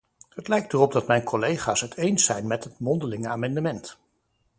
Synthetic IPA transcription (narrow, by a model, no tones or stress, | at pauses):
ɦətlɛjk̚tərɔb̚dɑtmɛjnkʰɔlejχaːsɦətʰejnsɛjnmɛtɦətmɔndəlɪŋəaːmɑndəmɛnt